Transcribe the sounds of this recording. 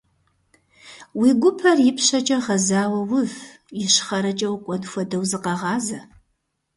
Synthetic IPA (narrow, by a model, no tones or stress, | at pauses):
wiːɡʷʊpʰɐrjɪpʰɕɐt͡ʃʼɐʁɐzaːwɐwʊv | jɪɕχɐɾɐt͡ʃʼɐwkʷʼɔnfʷɐdɐwzɨqɐʁɑːzɐ